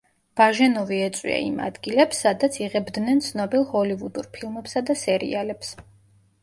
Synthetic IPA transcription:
b̥aʒɛnɔviɛt̪sʼwḭa̰ḭma̰d̪ɡilɛpsːad̪at̪sʰiʁɛbd̪nɛnt̪sʰnɔbilˠhɔlivud̪uɾpʰilˠmɛpsad̪asɛɾḭalɛps

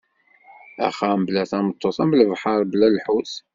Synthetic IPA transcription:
æ̰χæmblæθæmət̪ˤːosˤæmbləvħɑɾˤblælħus

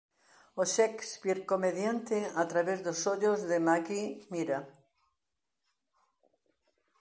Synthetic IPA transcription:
oʃɛkspiɾkomeðjant̪eat̪ɾaβezðosoʎozðemakimiɾa

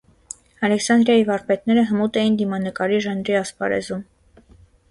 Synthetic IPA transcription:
ɑlɛksɑnd̪ɾjɑjivɑɾpɛt̪nɛɾəɦəmut̪ɛjind̪imɑnəkɑɾiʒɑnɾiɑspɑɾɛ̰zum

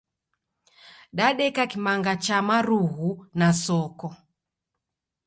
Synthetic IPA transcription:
ɗaɗɛkakimaŋɡat͡ʃamaɾuɦunasɔkɔ

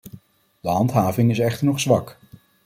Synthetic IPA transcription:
d̥əɦɑntɦaːvɪŋɪsɛχtəɹnɔχsʋɑk

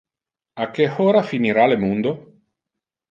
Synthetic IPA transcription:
akːehoːɾafiniɾalemund̪o

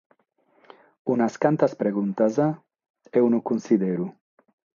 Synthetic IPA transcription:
unaskant̪aspɾeɣunt̪aza | ewnukunsiðeɾu

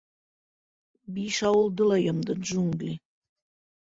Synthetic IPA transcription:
biʃɑwolˠd̪əlɑjəmd̪ɤʒuŋɡlʲi

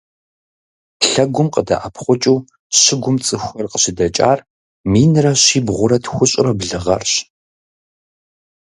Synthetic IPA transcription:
ɬɐɡʷʊmqədɐ̰ʔɐpʰχʷʊt͡ʃʼuː | ɕɪɡʷʊmt͡sʼɨxʷɔrqəɕɪdɐt͡ʃʼa̰ːr | miːnrɐɕiːbʁʷʊɾɐtxʷʊɕʼɪrɐbɮɨʁɐ̰rɕ

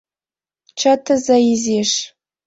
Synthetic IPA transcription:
t͡ʃʰɐtʰɨzɐjizeːʂ

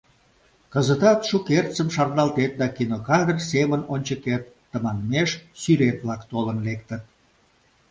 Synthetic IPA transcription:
kəzət̪ɑt̪ʃukert̪t͡səmʃɑrnɑlt̪et̪̚d̪ɑkinokɑd̪ərsemənonʲt͡ɕəket̪ːəmɑnmeʃsyɾet̪βlɑkt̪olənlek̚t̪ət̪̚

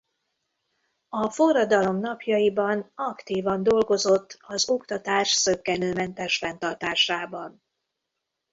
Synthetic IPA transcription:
ɒfo̞rːɒd̪ɒlo̞mnɒpjɒjibɒnɒkt̪iːvɒnd̪o̞lɡo̞zo̞t̪ːɒzo̞kt̪ɒt̪aːʃsøkːɛnøːmɛnt̪ɛʃfɛn̪t̪ɒrt̪aːrʃaːbɒn

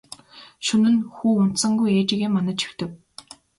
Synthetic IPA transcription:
ʃɵnɘ̆nxuːʊn̥t̪sə̆ŋɡujeːt͡ɕĭɣeːmːanə̆t͡ɕʰi̥xt̪ɘ̆w

